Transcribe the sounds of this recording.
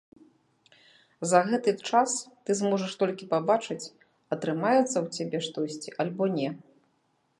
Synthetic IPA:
zɐɣɛt̪ɨt͡ʂast̪ɨzmɔʐɐʂt̪ɔlʲkʲipabat͡ʂɨt͡sʲ | ɐt̪ɾɨmajɛt̪sːɐwt͡sʲabʲɛʂt̪ɔsʲt͡sʲiʔalʲbɔnʲɛ

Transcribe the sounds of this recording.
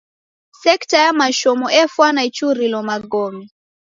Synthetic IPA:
sɛktajamaʃɔmɔʔɛfwanait͡ʃuɾilɔmaɡɔmi

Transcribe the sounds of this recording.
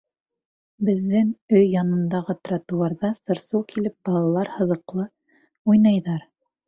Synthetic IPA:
bɘ̆ðːɘŋɵjːɑnɤ̆nd̪ɑʁɤt̪rɑt̪uwˠɑɾðɑsɤ̆ɾsɤwkʰilɘp̚b̥ɑlˠɑlˠɑɾhɤ̆ðɤ̆qlˠɤ | ujnɑjðɑɾ

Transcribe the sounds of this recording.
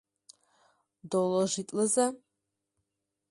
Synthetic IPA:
dolɔʒitʼlɨzɐ

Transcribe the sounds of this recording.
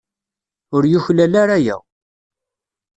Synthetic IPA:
ʊɾjuçlælaɾæjæ̰

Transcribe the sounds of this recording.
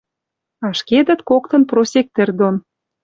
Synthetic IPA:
ɑʃked̪ə̆t̪kok̚t̪ɤ̆nprosʲek̚t̪ɘ̆rd̪on

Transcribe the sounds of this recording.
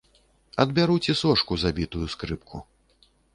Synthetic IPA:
ɐd̪bʲaɾut͡sʲɛsɔʂkuzabʲit̪ujuskɾɨpkʰu

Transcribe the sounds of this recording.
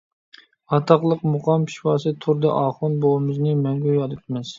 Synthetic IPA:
ɑt̪ʰɑqlˠəqmʊqʰɑmpʰi̥ʃfɑːsɨt̪ʰʊɾd̪ɨʔɑːχʊnbowɨmɪznɪmɛŋɡʲyjɑd̪ɨt̪̚ʰmɪz̥

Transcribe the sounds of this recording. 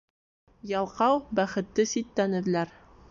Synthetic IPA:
jɒlˠqɑwbæχɘ̆t̪ːɘsit̪ːænɘ̆ðlæɾ

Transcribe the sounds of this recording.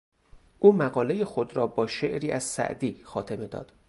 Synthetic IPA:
ʔuːmæɣɒːle̞jexo̞d̪ɾɒːbɒːʃe̞ʔɾiːʔæz̥sæ̰ʔd̪iːxɒːt̪ʰe̞me̞d̪ɒ̰ːd̪̥

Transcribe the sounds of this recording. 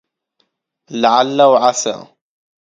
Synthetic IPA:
laʕalːawʕasa̰

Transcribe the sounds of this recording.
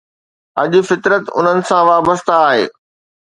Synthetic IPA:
ɐʄʊ̆fɪt̪ɾət̪ʊ̰n̤ənɪ̆sãʋaːbəst̪aːɦeː

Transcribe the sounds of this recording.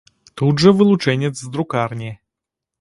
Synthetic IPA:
t̪udʐəvɨlˠut͡ʂɛnʲɛt̪zzd̪ɾukarnʲi

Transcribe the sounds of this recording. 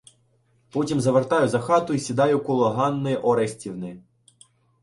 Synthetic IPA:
pɔtʲimzɐʋert̪ɑjʊzɐxɑt̪ʊisʲid̪ɑjʊkʊlˠɔɦɑnːɪʔɔɾesʲtʲiwnɪ

